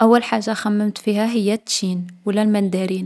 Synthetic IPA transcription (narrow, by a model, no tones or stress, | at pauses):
ʔæwːælħaʒːaxæmːəmt̪fiɦæɦəjːæt̪ːʃinwəlːælmænd̪æɾin